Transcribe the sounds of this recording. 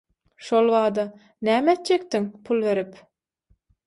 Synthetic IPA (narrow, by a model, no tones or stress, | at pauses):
ʃolˠβɑːd̪ɑ | næːmet̪̚d͡ʒek̚t̪iŋpʰulˠβe̞ɾip